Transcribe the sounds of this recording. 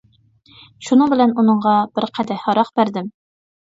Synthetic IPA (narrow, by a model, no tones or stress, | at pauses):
ʃunɨŋbɪlɛnunɨɴʁɑb̥ɪɾqʰæd̪ɛhɑɾɑqb̥æɾd̪ɪm